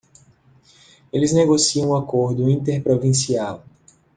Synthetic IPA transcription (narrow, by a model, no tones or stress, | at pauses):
elɪzneɡosiɐ̃w̃akoɾd̪ʊĩnt̪eɾpɾovĩsiaw